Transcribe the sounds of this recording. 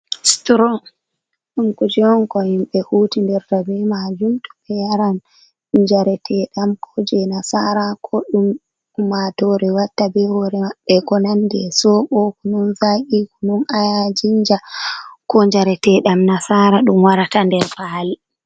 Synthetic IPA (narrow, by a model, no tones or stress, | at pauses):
stɾɔ | ɗumkud͡ʒɛɔnkɔhimɓɛhutindɛɾtabɛmad͡ʒumtɔ̥ɓɛjaɾan | ɲd͡ʒaɾɛtʰɛɗamkʰɔd͡ʒɛnasaɾakʰɔɗumː | atɔɾɛwatːabɛhɔɾɛaɓːɛkɔnandɛ̰sɔɓɔkununzaʔikununajad͡ʒiɲd͡ʒakɔɲd͡ʒaɾɛtɛɗamnasaːɾaɗumwaɾatandɛɾpaːli